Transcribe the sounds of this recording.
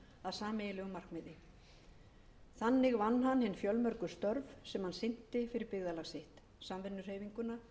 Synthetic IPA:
aðsaːmejɪlɛɣʏmar̥kmɪðɪ | θanːɪɣvanːɦanːhɪnːfjœlmœɾkʏ̥st̪œɾvsɛmhansɪn̥t̪ɪfɪɾɪɾpɪɣðalaɣsɪht̪ | samvɪnːʏr̥hejviŋkʏna

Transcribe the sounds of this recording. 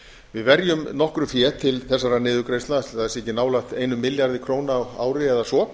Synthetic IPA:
vɪðvɛɾjʏmnɔhkɾʏfjɛːt̪ʰɪlθɛsːaɾanɪːðʏkɾejst̪laθaðɛsɛhcɪnaːwlaxt̪ejnʏmːɪljaɾðɪkʰɾoːwnaaːwɾɪɛðasɔ

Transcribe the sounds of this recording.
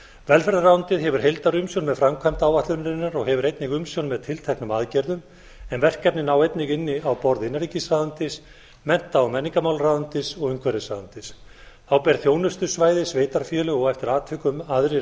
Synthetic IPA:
vɛlfɛɾðaɾraːwʏnt̪ɪðɦɛvʏɾ̥ɦejlt̪aɾʏmsjownmɛðfɾamkʰvajm̥t̪aːwvaht̪lʏnɾɪnːaɾɔɣɦɛvʏɾejt̪nɪɣʏmsjownmɛðt̪ʰɪlt̪ʰɛhknʏmaːðcɛɾðʏm | ɛnvɛr̥kːɛt̪nɪnaːwejt̪nɪɣɪnːɪawpɔɾðɪnːaɾicɪsaðant̪ɪs | mɛn̥t̪aːwmɛnːiŋkamawlraːðʏnt̪ɪsɔɣɪŋkʰvɛɾɪsaːðant̪ɪs | θawpɛːɾ̥θjoːwnʏst̪ʏsvaːjðɪsveːjt̪aɾ̥fjɛːlʏɔɣɛft̪ɪɾaːt̪ʰvɪkʏmaðɾɪ

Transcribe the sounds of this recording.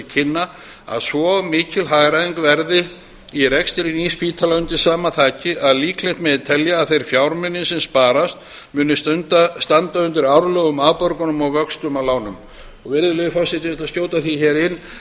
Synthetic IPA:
cʰɪnːa | a̰ðsvɔmɪːcɪlɦaɣɾaiŋkvɛɾðɪ | iɾɛkst̪ɪɾiniːspiːt̪ʰalaʏnt̪ɪ̥saːmaθʰaːcɪʔaðliːkʰlejht̪mɛðɪt̪ʰɛljaːðθejɾ̥fjawɾmʏnːɪnsɛnspaːɾast̪ | mʏːnɪst̪œnt̪ast̪ant̪aʏnt̪ʏɾawɾlœːɣʏmapœɾkʏnʏmɔɣvœkst̪ʏmalaːwnʏm | ɔɣvɪɾðʏlœjʏfasɪt̪ɪɛt̪asjoːwt̪aθiçɛːɾɪnː

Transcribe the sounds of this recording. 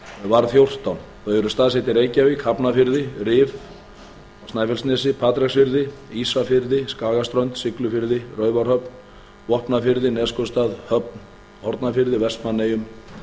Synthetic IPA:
vaɾθjowr̥t̪awn | θœɥɛɾʏst̪aːðsɛt̪ɪɾeːjcavɪkʰapnafɪɾðɪrɪːv | st̪naːjfɛlsnɛːsɪpʰaːt̪ɾɛksfɪɾðɪisafɪɾðɪskaːɣast̪ɾœɥnt̪sɪklʏfɪɾðɪrœːɥvaɾ̥hœpn | vɔhpnafɪɾðɪnɛːskɔst̪aːðhœp̚n | hɔɾt̪nafɪɾðɪvɛst̪manːejʏm

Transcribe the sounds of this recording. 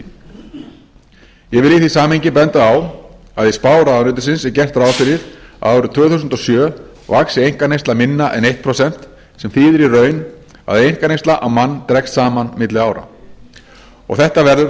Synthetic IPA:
jɛvɪljiθisaːmɪɲcɪpɛnt̪aaw | aðispaːwɾaanʏːt̪ʏsɪnsɛɾcɛr̥t̪ɾaːwfɪɾɪða̰ʏɾʏt̪ʰœːɣθusʏnt̪ɔsjœː | vaksɪejŋ̥kaɾnejst̪lamɪnːaʔɛ̰nejht̪̚pʰɾosɛn̥t̪ | sɛmθiðɪɾirœːɥn | a̰ðɛɾejŋ̥kanejst̪laʔawmanːt̪ɾɛkst̪saːmanmɪt̪lɪaːwɾa̰ | ɔ̰ɣθɛht̪avɛɾðʏɾ

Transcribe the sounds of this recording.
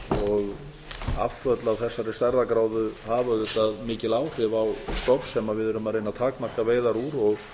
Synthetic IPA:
ɔɣ | a̰fːœt̪lawθɛsːaɾɪst̪ɛɾðakɾaːwðʏhaːvaðɪt̪aðmɪːcɪlaːwr̥ɪvawst̪ɔpsɛmavɪðɛɾʏmaðɾejnːaðt̪ʰaːkmar̥kaveːjðaɾuɾɔɣ

